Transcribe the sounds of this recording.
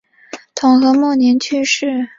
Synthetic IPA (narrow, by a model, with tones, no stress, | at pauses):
t̪ʰʊ˨˩ŋxɤ˧˥mɔ˥˩njɛ˧˥nt͡ɕʰy˥˧ʂɻ̩˥˩